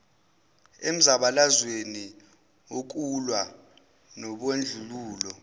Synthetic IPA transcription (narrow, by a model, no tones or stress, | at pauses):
em̩zaɓalazweni | ok̬ʼulwa | nɔɓwend͡ɮʱuluːlɔ